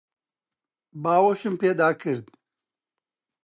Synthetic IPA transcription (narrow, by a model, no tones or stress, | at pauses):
baːwoʃimpeːd̪aːkɨɾd̪